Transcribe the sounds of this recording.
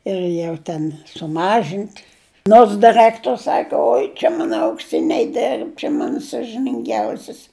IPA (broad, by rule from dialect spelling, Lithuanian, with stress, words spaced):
ɪr ˈjɛʊ tʲɛn sʊˈmɑːʒʲɪnʲtʲ noːrs dʲɪˈrɜktoːrʲs ˈsɑːkɐ ˈoːɪ t͡ʃʲɛ ˈmɑːnɐ ɐʊkˈsʲɪnʲɛɪ ˈdʲɛrp t͡ʃʲɛ ˈmɑːnɐ sɐʒʲɪnʲɪŋʲˈɡʲɛʊsʲɪs